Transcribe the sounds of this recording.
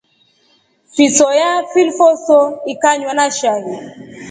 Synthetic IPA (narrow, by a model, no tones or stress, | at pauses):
fisɔjafilfɔsɔikaɲwanaʃaɦi